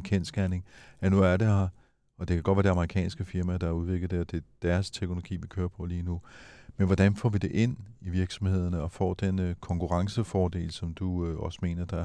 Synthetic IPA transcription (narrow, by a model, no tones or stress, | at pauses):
kʰɛ̰nsɡ̥æɐne̝ŋænuæɐɾ̥ehɑ̈ | ɒ̽d̥e̝kʰæɡ̥d̥ʋæːɐde̝ɑ̈mɐʁikʰɛ̰ːnsɡ̥əfiɐmæd̥ɑ̈æɐuðˠʋe̝ɡ̥lð̩ˠd̥e̝ɒd̥e̝d̥æɐst͡sʰeɡ̥nolo̝ɡ̥ḭːʋikʰøːɐpʰɒ̰ːliːnumenʋɒd̥ænfɒ̰ːʋid̥e̝ʔe̝n̰iʋiɐɡ̥sɒ̽mhe̝ð̰ˠɐnəɒ̽fɒ̰ːd̥enkʰɒ̽ŋkʰuʁɑ̈ŋsəfɒːd̥e̝̰ːlsɒ̽md̥uøɒ̽sə̥me̝̰ːnɐd̥ɑ